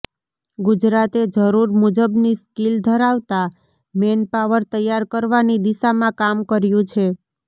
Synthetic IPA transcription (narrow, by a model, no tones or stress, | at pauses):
ɡʊd͡ʒɾat̪ed͡ʒəɾuɾmud͡ʒəbniskild̪ʱəɾaʋt̪a | menpaʋəɾt̪əjːaɾkəɾʋanid̪iʃamãkamkəɾjũt͡ʃʰe